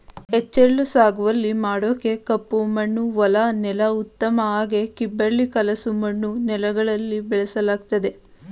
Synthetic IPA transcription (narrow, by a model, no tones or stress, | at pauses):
et͡ʃːeɭːusaːɡuʋɐlːimaːɽoːke̞kɐpːumɐɳːuʋɔlɐnɛlɐut̪ːɐmɐaːɡe̞kibːɐɭːikɐlɐsumɐɳːunɛlɐɡɐɭɐlːibɛɭɛsɐlaːɡ̚t̪ɐd̪e̞